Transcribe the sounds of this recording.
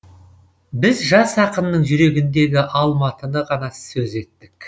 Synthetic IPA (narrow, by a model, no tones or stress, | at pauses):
bɪzʒɑsɑqənːəɴʒʏɾe̞ɡʲɪnd̪e̞ɡʲɪʔɑlˠmɑt̪ənəʁɑnɑssɵze̞t̪ːɪk